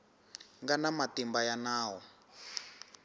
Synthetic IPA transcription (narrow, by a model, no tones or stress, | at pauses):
ŋɡanamatimbajanaːwɔ